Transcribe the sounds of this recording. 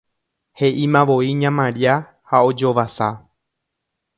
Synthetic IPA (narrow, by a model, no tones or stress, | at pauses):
he̞ʔimãʋo̞iɲãmãɾia | hao̞d͡ʒo̞ʋasa